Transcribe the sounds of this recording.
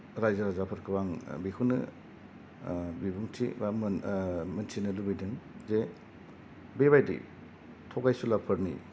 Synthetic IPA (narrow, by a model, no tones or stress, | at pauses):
ɾajzaɾazapʰɯɾkʰɯbaŋbikʰunɯ̰ | bibuŋtʰḭbammɐntʰinɯlubijdɯŋze | beβajdḭ | tʰɔɡajsulapʰɯɾnḭ